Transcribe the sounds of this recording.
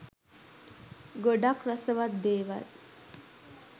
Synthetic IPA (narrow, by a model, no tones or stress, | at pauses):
ɡoɖakɾəsəʋat̪̚d̪eːʋa̰t̪